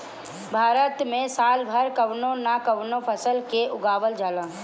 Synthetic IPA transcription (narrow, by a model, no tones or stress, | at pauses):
bʱaːɾət̪mẽsaːlbʱəɾkəʋnonakəʋnopʰəsəlkeʔʊɡaːʋəld͡ʒaːlə̃